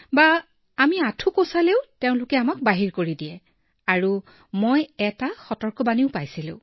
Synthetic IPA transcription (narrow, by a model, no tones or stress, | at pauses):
baː | miatʰukosaleʊteʊ̃lʊkɛamak̚baɦiɹkoɹidiɛ | aɹu | mojɛtaxɔtɔɹkɔbaniʊpajsilʊ̰̃